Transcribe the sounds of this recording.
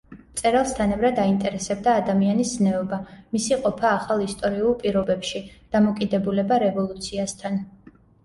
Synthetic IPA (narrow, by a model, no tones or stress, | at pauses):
t̪sʼɛɾalˠst̪ʰanɛvɾad̪aint̪ʼɛɾɛsɛb̚d̪aːd̪amianisnɛɔbamisiqʼɔpʰaːχalˠist̪ʼɔɾiulˠpʼiɾɔbɛpʃid̪̥amɔkʼid̪ɛbulɛbaɾɛvɔlˠut̪sʰiast̪ʰan